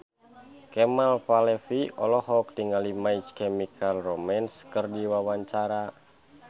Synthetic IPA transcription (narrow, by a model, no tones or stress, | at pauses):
kɛmalpalɛfiɔ̰lɔɦɔk̚diŋalimait͡ʃkɛmikʰalrɔmɛnskərdiwawaɲt͡ʃaɾa